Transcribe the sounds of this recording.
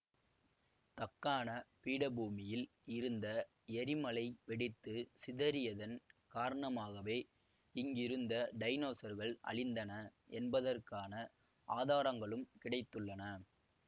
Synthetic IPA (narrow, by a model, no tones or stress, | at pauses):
t̪ɐkːaːnɐpiːɽɐbuːmɪjɪlɪɾɯnd̪ɐ | ɛɾɪmɐɭɐɪʋɛɽɪt̪ːɯsɪðɐɾɪjɐðɐnkaːɾɐɳɐmaːɣɐʋeː | ɪŋɡɪɾɯnd̪ɐɖɐɪnoːsɐɾɣɐɭɐ̰ɭɪnd̪ɐnɐɛnbɐðɐrkaːnɐ | aːðaːɾɐŋɡɐɭɯmkɪɽɐɪt̪ːɯɭːɐnɐ